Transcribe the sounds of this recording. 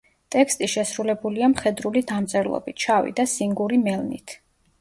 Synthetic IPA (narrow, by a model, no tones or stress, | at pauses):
t̪ʼɛkst̪ʼiʃɛsɾulɛbuliamχɛd̪ɾulid̪amt̪sʼɛɾlˠɔ̰bit̪̚ʰt͡ʃʰavḭd̪asiŋɡuɾimɛlˠnḭt̪ʰ